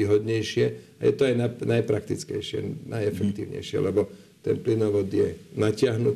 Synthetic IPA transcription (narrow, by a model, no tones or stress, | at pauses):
iɦɔd̪ɲɛjʃɪɛajɛt̪ɔajnanajpɾak̚t̪it͡skɛjʃɪɛ̰najɛfɛkt̪iːʊɲɛ̰jʃɪɛ̰lɛbɔ | t̪ɛnplinɔʋɔd̪jɛnacɪaɦnut̪